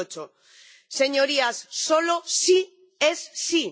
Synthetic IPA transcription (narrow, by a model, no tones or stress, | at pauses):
ot͡ʃo | se̞ɲoɾiasːolosi | esːi